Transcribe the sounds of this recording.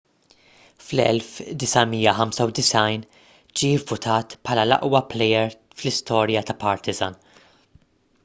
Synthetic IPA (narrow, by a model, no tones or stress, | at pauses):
flɛ̰lfd̪ɪsɐmijːɐħɐmsɐwd̪ɪsɐjn | d͡ʒiːɪvːʊt̪ʰɐːt̪pħɐːlɐlɐ̰ʔwɐplɛjɛɾ | flɪst̪ɔːɾjɐt̪ɐpɐɾt̪ɪzɐ̰n